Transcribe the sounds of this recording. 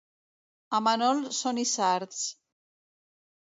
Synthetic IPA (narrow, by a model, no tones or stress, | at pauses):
amanɔlsonisaɾt̪s